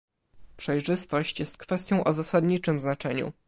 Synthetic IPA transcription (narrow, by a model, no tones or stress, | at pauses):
pʂɛjʐɘst̪ɔɕt͡ɕjɛst̪̚kfɛst̪jɔ̃w̃ʔɔzasad̪ɲit͡ʂɘmznat͡ʂɛɲṵ